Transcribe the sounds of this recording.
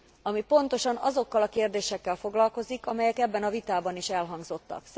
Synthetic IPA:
ɒmipo̞nt̪o̞ʃɒnɒ̰zo̞kːɒlɒkeːrd̪eːʃɛkːɛlfo̞ɡlɒlko̞zikɒmɛjɛkɛbːɛnɒvit̪aːbɒniʃɛlɦɒŋɡzo̞t̪ːɒ̰ks

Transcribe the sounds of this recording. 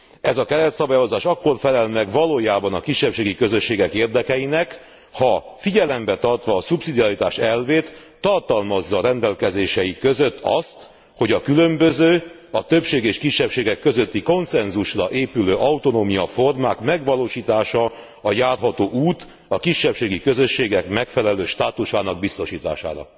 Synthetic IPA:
ɛzɒkɛɾɛt̪sɒbaːjo̞zaːʃɒkːo̞rfɛlɛlmɛɡʋɒloːjaːbɒnɒkiʃːɛpʃeːɡikø̞zøʃːeːɡɛkeːrd̪ɛkɛjinɛk | hɒfiɟɛlɛmbɛt̪ɒrt̪ʋɒːsupsid̪iɒɾit̪a̰ːʃɛlveːt̪ː | ɒrt̪ɒlmɒzːɒːɾɛnd̪ɛlkɛzeːʃɛjikø̞zø̞t̪ːɒ̰st̪ | ho̞ɟɒkylømbøzøː | ɒt̪øpʃeːɡeːʃkiʃːɛpʃeːɡɛkːø̞zø̞t̪ːiko̞nsɛnzuʃrɒʔeːpyløːʔɒut̪o̞noːmijɒfo̞rmaːkmɛɡʋɒloːʃiːt̪aːʃɒ | ɒjaːrɦɒt̪oːʔuːt̪ | ɒkiʃːɛpʃeːɡikøzø̞ʃːeːɡɛkmɛkfɛlɛløːʃt̪aːt̪uʃaːnɒɡ̚bist̪oʃiːt̪a̰ːʃa̰ːɾɒ̰

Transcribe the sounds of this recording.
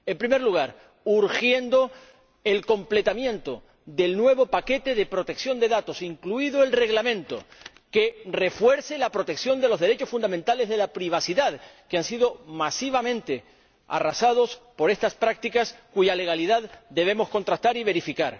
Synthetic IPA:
e̞mpɾime̞ɾluɣ̞aɾ | uɾxje̞nd̪o̞ | e̞lko̞mple̞t̪amjẽ̞nt̪o̞ | ðe̞lnwe̞βo̞pake̞t̪e̞ðe̞pɾo̞t̪e̞ksjo̞nd̪e̞ðat̪o̞siŋkluiðo̞elre̞ɣlamẽnt̪o̞̰ | ke̞re̞fwe̞ɾselapɾo̞t̪e̞ksjo̞nd̪e̞lo̞zðe̞ɾe̞t͡ʃo̞sfund̪ament̪ale̞zðe̞lapɾiβ̞asiðaðkeansið̞o̞masiβ̞amẽ̞nt̪e̞ | a̰rasað̞o̞spo̞ɾe̞st̪aspɾak̚t̪ikaskuʝale̞ɣ̞aliðaðd̪e̞β̞e̞mo̞sko̞nt̪ɾast̪aɾiβe̞ɾifikaɾ

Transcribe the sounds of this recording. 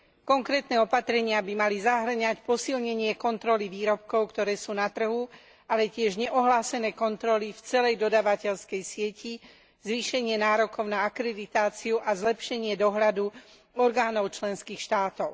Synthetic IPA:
kɔŋkɾɛːt̪nɛːɔpat̪ɾɛɲɪabimalizaɦr̩ɲacpɔsilɲɛɲɪɛkɔnt̪ɾɔliʋiːɾɔp̚kɔʊkt̪ɔɾɛːsuːnat̪r̩ɦu | alɛcɪɛʒɲɛʔɔɦlaːsɛnɛːkɔnt̪ɾɔlift͡sɛlɛjd̪ɔd̪aːʋacɛʎskɛjsɪɛci | zʋiːʃɛɲɪɛnaːɾɔkɔʊnaakɾɛd̪it̪aːt͡siuʔazlɛpʃɛɲɪɛd̪ɔɦlad̪u | ɔɾɡaːnɔʊt͡ʃlɛnskiːxʃt̪aːt̪ɔʊ

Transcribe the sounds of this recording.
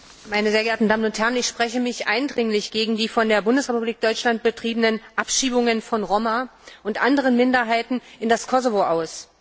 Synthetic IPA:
maɪnəzeːɐɡɛɐtn̩daːmənʊnthɛʁənɪçʃpʁ̥ɛçəmɪçʔa̰ɪndʁɪŋlɪçɡ̥eːɡŋ̩diːfɔndeːɐbʊndəsʁepubliːk̚d̥ɔʏt͡ʃlant̚b̥ətʁ̥iːbənənʔapʃiːbʊŋənfɔnʁomaʔʊntʔandəʁ̞ənmɪndɐɦaɪtn̩ʔɪndaskʰɔzovoʔaʊs

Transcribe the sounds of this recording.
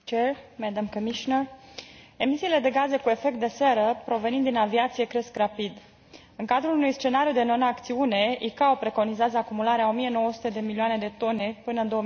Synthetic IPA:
t͡ʃermɛd̪amkəmiʃinər | e̞misiːle̞d̪e̞ɡaze̞kue̞fe̞k̚t̪̚d̪e̞se̞ɾəpɾo̞ve̞nind̪inaviat̪sije̞kɾe̞skrapid̪ | ɨŋkad̪ɾulunujst͡ʃe̞naɾjud̪e̞no̞nakt̪siune̞ikaopɾe̞ko̞nizeazəakumulaɾeao̞mije̞no̞wəsu̥t̪ed̪e̞milioane̞d̪e̞t̪o̞ne̞pɨnəɨnd̪o̞ə

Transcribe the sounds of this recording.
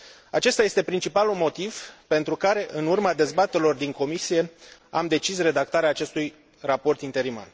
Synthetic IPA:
at͡ʃe̞st̪aje̞st̪e̞pɾint͡ʃipalulmo̞t̪iv̥pe̞nt̪ɾukaɾe̞ʔɨnurmad̪e̞zbat̪eɾelo̞rd̪iŋko̞misije̞a̰md̪e̞t͡ʃisre̞d̪ak̚t̪aɾeaːt͡ʃe̞st̪uj | rapo̞rt̪int̪e̞ɾima̰l

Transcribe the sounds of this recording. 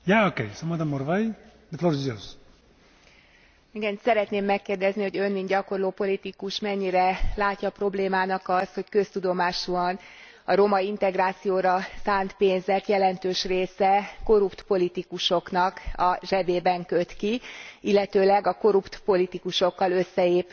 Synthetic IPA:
jaːokḛjsomad̪amoɾvaj | d̪əfloːɾzoz | iɡɛnsɛɾɛt̪neːmːɛkːeːrd̪ɛzniho̞ɟø̞nminɟɒko̞rloːpo̞lit̪ikuʃmɛɲːiɾɛlaːcːɒpro̞bleːmaːnɒkɒst̪ho̞ckø̞st̪ud̪o̞maːʃuɒn | ɒɾo̞mɒint̪ɛɡraːt̪sijoːɾɒsaːnt̪peːnzɛt̪jɛlɛnt̪øːʃreːsɛko̞ɾupt̪po̞lit̪ikuʃo̞knɒkɒʒɛbeːbɛŋkøt̪kiilːɛt̪øːlɛɡɒko̞ɾupt̪po̞lit̪ikuʃo̞kːɒlø̞sːɛeːp

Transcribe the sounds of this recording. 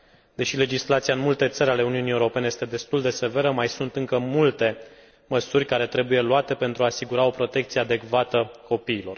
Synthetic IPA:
d̪e̞ʃile̞d͡ʒislat̪siaɨnmult̪e̞t̪səɾʲale̞uniunie̞uɾo̞pe̞nejest̪e̞d̪e̞st̪uld̪e̞se̞ve̞ɾəmajsunt̪ɨŋkəmult̪e̞ | məsurʲkaɾe̞t̪ɾe̞buje̞luat̪e̞pe̞nt̪ɾuaːsiɡuɾao̞pɾo̞t̪e̞k̚t̪sijead̪e̞kvat̪əko̞piːlo̞r

